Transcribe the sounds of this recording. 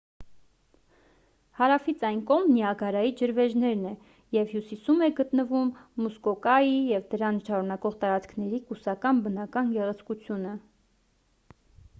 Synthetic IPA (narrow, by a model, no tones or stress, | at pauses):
hɑɾɑfit͡sʰɑjnkɔʁmniɑɡɑɾɑjid͡ʒəɾvɛʒnɛɾnɛ | jɛvhjusisumɛɡət̪nəvumːuskɔkɑjijɛvd̪əɾɑnʃɑɾunɑkɔʁt̪ɑɾɑt͡skʰnɛɾikusɑkɑnbənɑkɑnɡɛʁɛt͡sʰkut͡sʰjunə